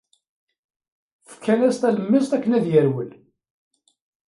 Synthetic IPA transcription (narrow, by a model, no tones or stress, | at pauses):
fə̥kʰːænæst̪æləmːist̪ækːənæðjəɾwəl